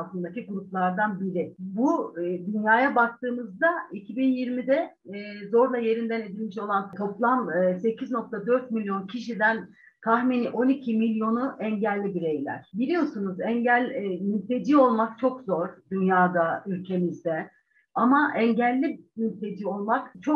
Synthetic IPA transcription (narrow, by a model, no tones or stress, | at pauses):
asˠɯnd̪aciɡuɾuplˠaɾd̪anbiɾɪbud̪ynjaːjabak̚t̪ʰɯːmɯzd̪aicʰibinjiɾmid̪ɛː | zo̞ɾlˠaje̞ɾind̪æne̞d̪ilʲmiʃo̞lˠant̪ʰo̞plˠamɯse̞cʰizno̞k̚t̪ʰad̪ø̞ɾt̪milʲjo̞ncʰiʃid̪æn | kʰahminiʔo̞nicʰimilʲjo̞nuʔɛɲɟælʲːibiɾe̞jlʲæ̰ɾ̥bilʲijo̞sunuzɛɲɟælʲmynt̪e̞d͡ʒiːo̞lˠmak̚t͡ʃʰo̞kzo̞ɾ̥d̪ynjaːd̪aylʲcʰe̞mizd̪ɛ | amaʔɛɲɟælʲːibmynt̪ʰe̞d͡ʒiːo̞lˠmakt͡ʃʰo